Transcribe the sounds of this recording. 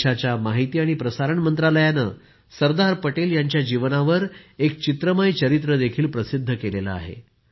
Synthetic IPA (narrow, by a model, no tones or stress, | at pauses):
at͡ɕjamaɦit̪iːaɽ̃ipɾəsaɾəɳmənt̪ɾaləjanə̰ | səɾd̪aɾpəʈeljaɲt͡ɕjad͡ʑiʋnaʋəɾek̚t͡ɕit̪ɾəmajt͡ɕəɾit̪ɾəd̪ekʰiːlpɾəsid̪ʱːəkelela̰a̰ɦḛ